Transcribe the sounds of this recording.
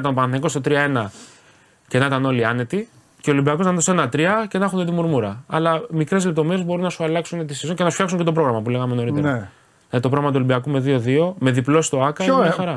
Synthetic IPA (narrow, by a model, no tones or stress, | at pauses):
it̪ɐnopɐnθniko̞st̪ot̪ɾiɐe̞nɐ | cenɐit̪ɐno̞liɐne̞t̪i | ceolimbiɐko̞snɐnðosenɐt̪ɾiɐce̞nɐxunet̪imuɾmuɾɐɐlɐmikɾe̞zle̞p̚t̪o̞me̞ɾe̞zbo̞ɾunːɐsuɐlɐksunet̪isizocenɐsufçɐksuɲcet̪opɾo̞ɣɾɐmɐpule̞ɣɐmeno̞ɾit̪eɐ | lɐðit̪opɾoɣɾɐmɐt̪uolimbiɐkume̞ðio̞ðio̞me̞ðiplo̞si̥t̪o̞ɐkɐmɲxɐɾɐ